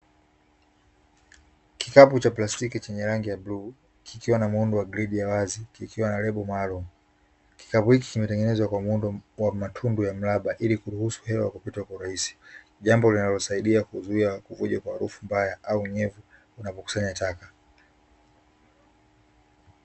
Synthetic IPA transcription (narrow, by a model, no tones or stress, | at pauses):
kikaput͡ʃaplastikit͡ʃɛɲɛɾaŋɡijablu | kʰikiwanamundɔwaɡɾiɗijawazikikiwanalɛɓɔmalɔ | ki̥kapuhiki̥kimɛtɛŋɡɛnɛzwakwamundɔwamatʰundujam̩laɓaʔilikuɾuhusu̥hɛwaakupitakwauɾahisi̥ | ʄambɔlinalɔsaiɗiakuzuiakuvuʄakwahaɾufumbajaʔauɲɛvu | unapɔku̥saɲataka